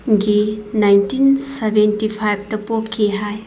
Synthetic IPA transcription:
ɡinajntinsebʱentipʰajb̚ʱtɐpopkʰːiɦaj

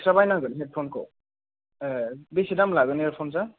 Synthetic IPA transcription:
sɾabajnaɡɯnɦɛd̚pʰɔnkʰɔ̰ | besidamlaɡɯniɾpʰɔnza

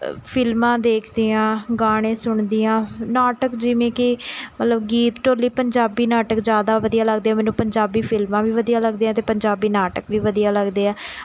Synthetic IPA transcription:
pʰɪlmãːd̪eːkʰd̪iːãːɡaːɽ̃ẽːsʊɳ̃d̪ijãːnaːʈəkd͡ʒɪʋẽːkɪmət̪ləbɡiːt̪ʈoːliːpəɲd͡ʒaːbiːnaːʈəkzjaːd̪aːʋəd̪ijaːləɡd̪eːɛːmɛːnũːpəɲd͡ʒaːbiːpʰɪlmãːʋiːʋəd̪ijãːləɡd̪eːãːt̪̬eːpəɲd͡ʒaːbiːnaːʈəkʋiːʋəd̪ijaːləɡd̪eːɛː

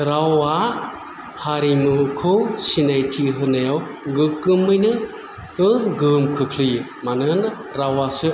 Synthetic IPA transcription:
ɾawa | haɾimɯkʰɯwsinajtʰiɦɯnajawɡɯkɯmːɯjnɯ | ɯɡɯmkʰɯkʰlɯ | manɯn | ɾawasɯ

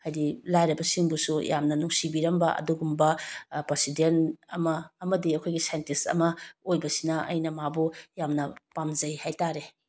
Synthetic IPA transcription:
hajdilajɾɐbɐsiŋbusuja̰mnɐnuŋsibiɾɐmbɐɐ̰duɡumbɐpɾesidentɐmɐːmɐdiɐkʰojɡisajntisɐ̰mɐojbɐsinɐɐ̰jnɐmabujamnɐpamzɐjhajtaɾe

